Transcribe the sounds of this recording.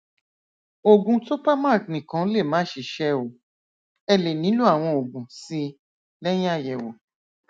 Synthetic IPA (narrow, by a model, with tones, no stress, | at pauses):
o˨ɡũ˧so˦pa˦ma˦˨knĩ˨kã˨˦le˦˨mãː˨˦ʃi˨ʃɛ˦o˨ | ɛ˧le˨nĩ˨˦lu˦a˦˨w̃ɔ̃˧o˨ɡũ˨si˧ | lɛ˦j̃ĩ˦a˦˨jɛ˨wo˨